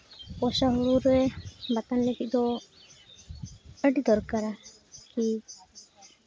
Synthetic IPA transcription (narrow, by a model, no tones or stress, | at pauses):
pɔʃaɦuluɾɛbat̪anlekʰid̪ɔ | əɖid̪ɔɾkaɾa | ki